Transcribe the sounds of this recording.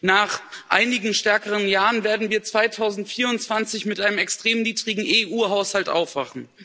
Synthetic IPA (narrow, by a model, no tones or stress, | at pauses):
naːχʔa̰ɪnɪɡŋ̩ʃtɛɐkəʁənjaːʁənveːɐdn̩viːɐt͡sv̥aɪtʰaʊzn̩tfiːɐʊntt͡sv̥ant͡sɪçmɪtʔaɪnəmɛkstʁ̥eːmniːdʁɪɡŋ̩ʔeʔuːɦaʊshaltʔa̰ʊfv̥a̰χn̩